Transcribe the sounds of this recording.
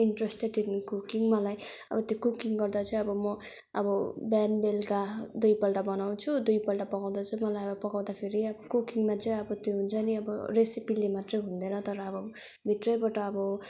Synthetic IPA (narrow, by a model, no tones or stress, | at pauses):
inʈresʈeʈinkukiŋmʌlajʌ̰bʌt̪jokukiŋɡʌrd̪at͡sʌĩʌbʌmʌ | ʌbʌbanbelkad̪ujpʌlʈabʌnaw̃t͡sʰud̪ujpʌlʈapʌɡaw̃d̪at͡sʌ̃mʌlajʌbʌpʌɡaw̃d̪apʰeɾiʌbʌkukiŋmat͡sʌĩʌbʌt̪joɦunt͡sʰʌniʌbʌ̰resipilemat̪rʌjɦund̪ʌnʌt̪ʌɾʌːbʌbʱit̪rʌjbʌʈʌːbʌ